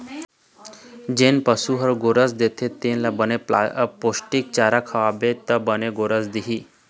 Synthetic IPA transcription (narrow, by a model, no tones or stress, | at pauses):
d͡ʒenpəsuɦəɾɡoɾəsd̪et̪ʰet̪enlabənea̰posʈik̚t͡ɕaɾakʰəʋabet̪əbəneɡoɾəsd̪iɦi